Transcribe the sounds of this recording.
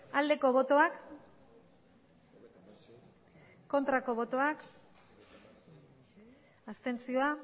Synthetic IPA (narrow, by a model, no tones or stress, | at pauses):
ald̪e̞ko̞β̞o̞t̪o̞ak | o̞nt̪ɾako̞βo̞t̪o̞ak | ast̪e̞nt͡sio̞a